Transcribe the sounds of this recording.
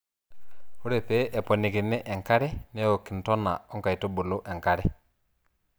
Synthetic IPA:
u˦ɾe˨fe˦ʔɛ˨po˨ni˨ki˨nːɛ˦ʔe˨ŋka˦ɾɛ˦ne˦wo˨kːi˨ntɔ˦nːa̰˨u˦ŋka˨jto˦bu˨lu˦ʔɛ˨ŋka˦ɾɛ

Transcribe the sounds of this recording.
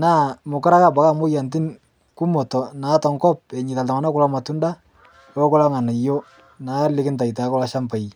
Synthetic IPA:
na˦˨mʊ˨kɔ˦ɾa˦ka˦˨ba˨ka˦˨mo˦ja˨nt̬ɪ˦n | ku˦mɔ˨tɔ˨na˨˦tɔ˨ŋkɔ˦p̚ɛ˨ɲɪ˨ta˨lta˨ma˨na˦ku˦la˦ma˨tu˦nda˦ | ɔ˦kɔ˦la˦ŋa˨na˨jo˦ | na˨˦lɪ˦kɪ˦nta˨ita˨˦kɔ˦la˦ʃa˦mpa˨j

